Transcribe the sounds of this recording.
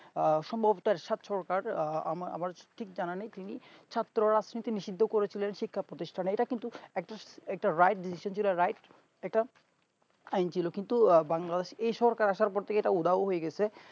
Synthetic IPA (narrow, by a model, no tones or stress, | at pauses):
ʃɔmbʱabot̪oɛɾʃat̪ʃɔɾkaɾa̰ma̰maɾʈʰik̚d͡ʑananet̪init͡ɕʰat̪ːɾoɾad͡ʑnit̪iniʃid̪ʱːokoɾet͡ɕʰilenʃikʰːapɾot̪iʃʈʰaneʈakint̪uɛk̚ʈaɛk̚ʈaɾajʈ̚ɖisiʃont͡ɕʰiloɾajʈ | ɛk̚ʈa | ajnt͡ɕʰilokint̪ubaŋlad̪eʃejʃɔɦɾkaɾaʃaɾpɔɾt̪ʰekeʈaud̪ʱaoɦojeɡɛt͡ɕʰe